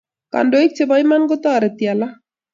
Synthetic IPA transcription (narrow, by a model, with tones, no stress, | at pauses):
ka̰˨ndo˨˦k̚t͡ʃe˨ba˦ima˦nɡo˦t̪a˦˨ɾɛ˨t̪ja˨la˦